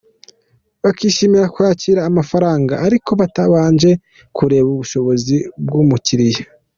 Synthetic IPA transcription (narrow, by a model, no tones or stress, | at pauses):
βakiːʃimiɾakwaːciːɾaːmafaɾaːŋɡaʔːɾiko̞βataβaːnd͡ʒe̞ | kuɾe̞ːβuβuʃo̞βo̞zibɡumuciɾije